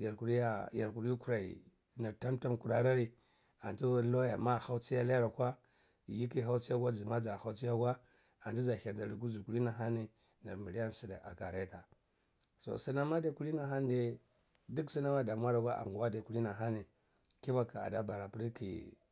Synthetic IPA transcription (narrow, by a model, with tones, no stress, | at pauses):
ja˨ɾku˨ɾi˦a˦ja˨ɾku˨ɾi˦ji˦ku˦ɾa˨ḭ˨ | na˨ɾta˦mta˦mku˨ɾa˦ɾa˦ɾi˦ | a˨ntu˦lo˦ja̰˨ma˦˨ha˦u˦t͡si˦ja˦la˦ɾa˨kʷa˦˨ | ji˦ki˦˨xa˦u˦t͡si˦ja˦ɡʷa˦d͡zi˨ma˦d͡za˨ha˦u˦t͡si˦ja˦ɡwa˦ | a˨ntu˦za˨ça˨nda˨ɾi˨ɡu˦zu˨ku˦li˦na˨ɦa˦ni˨ | na̰˨ɾmi˨li˦ja˦n˨si˨da˨ʔa̰˨ka˨ɾa˦ta˨ | so̰˨si˦na˦ma˦da˨ku˦li˦na˨ɦa˦n˦de˦ | du˦ksi˦na˦ma˦da˨mʷ˦a˦ɾa˨ɡʷa˦ʔa̰˨ŋɡu˨wa˦da˨ku˨li˦na˨ɦa˦ni˨ | ki˦ba˦ka˨a̰˨da˦ba˨ɾa˨pɾi˦kʰḭ˨